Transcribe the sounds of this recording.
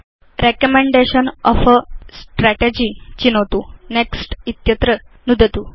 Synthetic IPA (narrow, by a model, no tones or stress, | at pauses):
ɾekəmeɳɖeɕənɔfəsʈɾæʈed͡ʑit͡ɕinot̪uneksʈit̪jət̪ɾə | nud̪ʱət̪uː